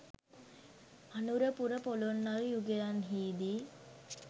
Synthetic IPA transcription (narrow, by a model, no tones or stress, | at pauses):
anuɾəpuɾəpolonːaɾijuɡejanɦiːd̪iː